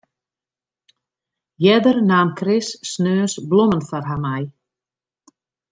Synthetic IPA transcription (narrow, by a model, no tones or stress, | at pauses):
jɛdərnaːmkʰrɪsːnøːnsblɔmənfarɦamaj